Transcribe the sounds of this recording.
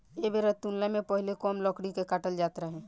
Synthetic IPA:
ebeɾət̪ːunlamẽpəɦlekɔːmlɔːkɽikekaʈəld͡ʒaːt̪ɾaɦɛ̃ː

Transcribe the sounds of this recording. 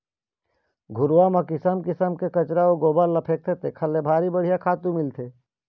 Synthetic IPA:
ɡʱʊɾʋamakɪsəmkɪsəmkekɐt͡ʃɾaoɡoːbalːɐpʰeːk̚t̪ʰet̪ekʰɐlːebʱaːɾibəɽ̤ijakʰaːt̪ũmɪlt̪ʰeː

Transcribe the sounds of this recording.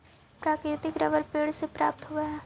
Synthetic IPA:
pɾaːkɾɪt̪ɪkɾɐ̰ʋəɾpeːɽsepɾa̰ːp̚t̪ɦoaɦɛː

